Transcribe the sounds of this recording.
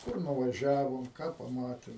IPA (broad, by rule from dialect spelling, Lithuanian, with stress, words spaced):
ˈkʊr nʊʋɐˈʒʲæːʋoːm ˈkɑː pɐˈmɑːtʲɪm